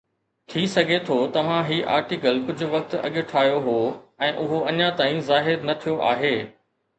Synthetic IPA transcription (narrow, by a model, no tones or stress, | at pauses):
t̪ʰiːsɐɡʱet̪ʰoːt̪ɐʋ̤ãɦiːʔa̰ːɾʈɪkəlkʊd͡ʑʱʊ̆ʋɐk̚t̪ɐ̰ɠɪʈʰaːjoɦoːɛ̃ːʔʊɦoʔɐɲãt̪aːĩzaːɦɪɾnɐt̪ʰijoʔa̰ːɦeː